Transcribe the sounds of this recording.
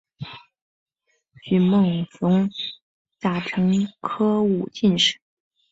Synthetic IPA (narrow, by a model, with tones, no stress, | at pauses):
t͡ɕy˨˩mɤ˥˩ŋsʊ˧˥ŋ | t͡sa˧˩ʈ͡ʂʰɤ˧˥ŋkʰɤ˥u˨˩t͡ɕi˥˧nʂɻ̩˥˩˦